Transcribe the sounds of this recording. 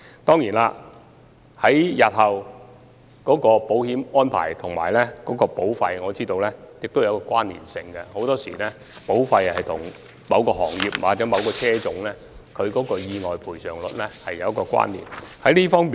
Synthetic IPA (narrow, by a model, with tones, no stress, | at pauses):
t̪ɔː˥ŋjiː˨˩naː˧ | hɐ˨˥jjɐ˨t̚hɐ˨w | kɔː˨˥kɔː˧po˨˥whiː˨˥mɔː˥npʰa̰ː˨˩jt̪ʰʊ˨˩ŋma̰ː˨˩jlɛ˥kɔː˨˥kɔː˧po˨˥wfɐ˧jŋɔː˨˧t͡siː˥t̪o˧wlɛ˥jɪ˨k̚t̪o˥wjɐ˨˧wkɔː˧kʷaː˥nːḭː˨˩nsɪ˧ŋɡɐ˧ho˨˥wt̪ɔː˥sḭː˨˩lɛ˥po˨˥wfɐ˧jhɐ˨jt̪ʰʊ˨˩ŋ | mɐ˨˧wkɔː˧ɦɔ̰ː˨˩ŋjiː˨˩p̚waː˨t͡sɛː˨˥mɐ˨˧wkɔː˧t͡sʰɛː˥t͡sʊ˨˥ŋlɛː˥ | kʰɵ˨˧ɥkɔː˨˥kɔː˧jiː˧ŋɔː˨jpʰuː˨˩jsœː˨ŋlɵ˨t̚lɛ˥hɐ˨jɐ˨˧wɐ˥kːɔː˧kwa̰ː˥nːḭː˨˩nhɐ˨˦˥jliː˥fɔː˥ŋmː˨